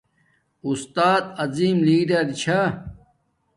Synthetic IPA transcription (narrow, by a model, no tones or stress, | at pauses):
ust̪aːd̪̚ɐziːmliːɖɐɾit͡ɕʰɐ